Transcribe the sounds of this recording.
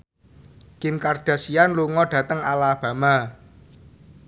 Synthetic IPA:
kɪmkarɖ̥ä̤sianluŋɔɖ̥ä̤t̪əŋalab̥ä̤ma

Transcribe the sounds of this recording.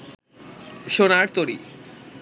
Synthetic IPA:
ʃonaɾt̪oɾḭ

